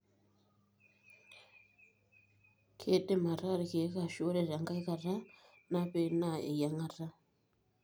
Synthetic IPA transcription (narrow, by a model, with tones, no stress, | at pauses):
kʰe˦de˦˨ma˨ɾa˦˨ɾi˨ɣe˨˦ɣa˦˨ʃo˦ɾe˦˨ɾa˨ŋɡa˦jɣa˨ɾa˦ | na˦βe˦˨na˦˨ḛ˨ja˨˦ŋa˨ɾa˦